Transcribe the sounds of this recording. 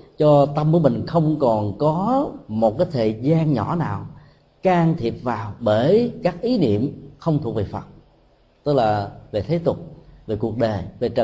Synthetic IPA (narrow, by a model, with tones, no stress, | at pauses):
t͡ɕɔ˧t̪ə˧mku˧˩˦mï˨˩ŋ̟xə˧wŋ͡mkɔ˨˩nkɔ˨˦mo˨˩t̚kaː˨˦jt̪ʰə˨˩zaː˧nɲɔ̰˧˥naː˨˩w | kaː˧ŋt̪ʰi˨˩əp̚vaː˨˩wɓəː˧˩jkaː˦˥k̚ʔi˨˦nḭ˧˨əmxə˧wŋ͡mt̪ʰu˨˩ək̚ve˨˩fə˨˩t̚ | t̪ɨ˦˥k̚laː˨˩ve˨˩t̪ʰe˨˦t̪ʊ˨˩k͡p̚ve˨˩ku˨˩ək̚ɗəː˨˩ve˨˩t͡ɕə˧˨